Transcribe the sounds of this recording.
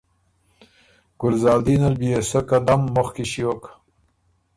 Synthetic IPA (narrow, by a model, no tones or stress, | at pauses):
ɡ̥ʊlzɑːld̪inalbiesokad̪amːoxkiɕiwok